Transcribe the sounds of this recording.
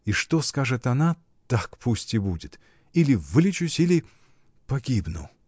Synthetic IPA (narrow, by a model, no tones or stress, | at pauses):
iʂt̪oskaʐɨt̪ɐna | t̪akpʰusʲtʲɪbudʲɪt̪ | ilʲɪvɨlʲɪt͡ʃʊsʲilʲɪ | pɐɡʲibnʊ̰